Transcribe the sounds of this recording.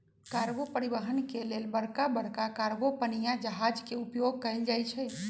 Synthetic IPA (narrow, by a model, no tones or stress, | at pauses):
kaɾɡopəɾibəɦənkelelbəɽkabəɽkakaɾɡopənijad͡ʒəɦad͡ʒkeupjoɡ̚kəɪld͡ʒajt͡ʃʰɛ